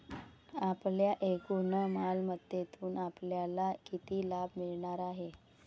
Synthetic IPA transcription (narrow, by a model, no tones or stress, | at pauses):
apljaʔekunəmalməd̪jet̪uːnapljalakit̪iːlab̚miɭɳaɾaɦe